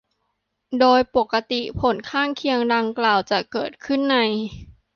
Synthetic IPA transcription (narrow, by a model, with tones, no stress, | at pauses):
doː˧jpo˨˩kːa˧t̪i˨˩pʰo˩˦nkʰaː˥˩ŋkʰi˧əŋda˧ŋklaː˨˩wt͡ɕa˨˩kɤː˨˩t̪̚kʰɯ˥˩nːa˧j